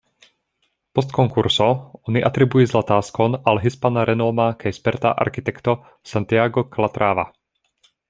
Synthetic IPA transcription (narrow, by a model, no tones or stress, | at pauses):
pɔs̬t̪kɔŋkuɾsɔɔniʔat̪ɾibujizlat̪aːskɔnalɛɦispanaɾɛnɔːmakʰɛjspɛɾt̪a̰ʔa̰ɾxit̪ɛkt̪ɔ | sant̪iaɡɔklat̪ɾʔaːʋa̰